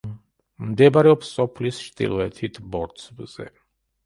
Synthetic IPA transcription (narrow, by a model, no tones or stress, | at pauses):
mmd̪ɛbaɾɛɔpsːɔpʰlist͡ʃt̪ʼḭlˠɔɛt̪ʰit̪ʰbɔɾt̪sbz̥ɛ̰